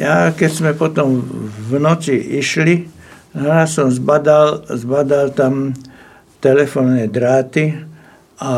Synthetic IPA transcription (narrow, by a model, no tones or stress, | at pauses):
jakɛzmɛpɔt̪ɔmʋnɔt͡siʔiʃli | ɦɾasɔmzbad̪alzbad̪alt̪am | t̪ɛlɛfɔːnːɛːd̪ɾaːt̪i | a